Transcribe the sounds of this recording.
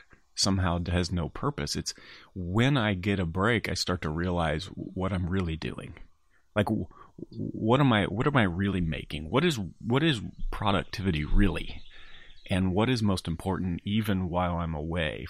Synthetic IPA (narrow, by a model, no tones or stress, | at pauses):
sʌ̃mɦaʊðɨznoʊpʰɜ˞pɨsɨtswɨ̃naɪɡɛɾɨbɹeɪkaɪstɑɹtʰɨɹiəlaɪzwʌɾãɪ̃mɹɪlˠidʉ̰ɪ̰̃ŋ | laɪk | wʌɾə̃maɪwʌɾə̃maɪɹɪlˠimḛɪkɪ̰̃ŋwʌɾɨzwʌɾɨzpʰɹ̥ɑɾɨ̰k̚tʰɪvɨɾiɹɪlˠḭ | ʔɨ̃nwʌɾɨzmoʊstm̩pʰɔɹʔn̩tivɨ̃nwaɪlˠãɪ̃məweɪ